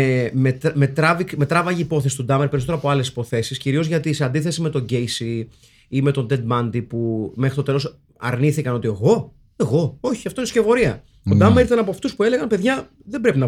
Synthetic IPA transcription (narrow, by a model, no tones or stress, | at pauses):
met̪me̞t̪ɾɐvikme̞t̪ɾɐvɐʝiːpo̞θesi̥t̪ud̪ɐmeɾpe̞ɾis̬oteɾɐpoɐle̞si̥po̞θe̞sisciɾio̞zʝɐt̪ise̞ɐnd̪iθe̞sime̞t̪o̞ɟe̞jsi | ime̞t̪o̞nd̪e̞d̪mɐnd̪ipumexɾit̪o̞t̪e̞lo̞s | ɐ̰ɾniθikɐno̞t̪ie̞ɣo̞ | e̞ɣo̞o̞çiɐft̪oinesce̞vo̞ɾiɐ | od̪ɐmeɾiɾt̪ɐnɐpoɐft̪uspue̞le̞ɣɐnpe̞ðʝɐ | ðebɾe̞pinɐ